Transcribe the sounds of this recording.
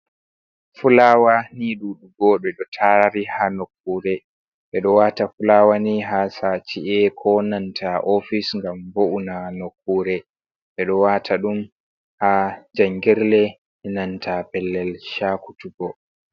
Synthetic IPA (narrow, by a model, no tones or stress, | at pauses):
fulaːwaniɗuɗuɡɔːɗɛɗɔtʰaɾihanokːuːɾɛ | ɓɛɗɔwatafulaːwaniɦasat͡ʃiɛkʰɔnantʰaʔofisŋɡamboʔunanokːuːɾɛ | ɓɛɗɔwatʰaɗum | had͡ʒaŋɡɛɾlɛ | ɛnantʰapɛlːɛlʃaku̥tuɡɔ